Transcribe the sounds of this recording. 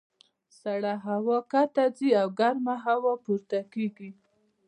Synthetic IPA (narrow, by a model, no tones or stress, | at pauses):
saɽaɦawɑkat̪aziawɡaɾmaɦawɑpuɾt̪akeɡi